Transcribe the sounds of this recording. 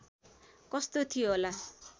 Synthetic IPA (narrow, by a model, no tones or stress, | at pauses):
kʌst̪ot̪ʰijoɦola